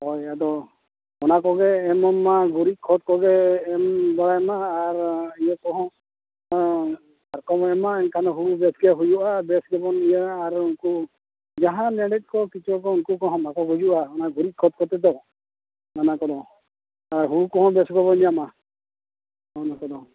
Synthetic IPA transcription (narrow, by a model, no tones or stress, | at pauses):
ɦɔjad̪ɔ | ɔnakɔɡɛːmɔmːaɡʱuɾikʰɔt̪̚kɔɡɛːmbɔɽajmaːɾijakɔɦɔ̃ | aɾkɔmɛmaɛnkʰanɔɦuɽubɛsɡɛɦujuʔabɛsɡɔbɔnijaːɾunku | d͡ʒaɦãnɛɽit̪̚kɔkit͡ʃʰɔkɔunkukɔɦɔ̃makɔɡud͡ʒuʔaɔnaɡuɾit̪̚kʰɔt̪̚kɔt̪ɛd̪ɔ | nanakɔd̪ɔ | aɾɦuɽukɔɦɔ̃bɛsɡɔbɔniama | ɔnakɔd̪ɔ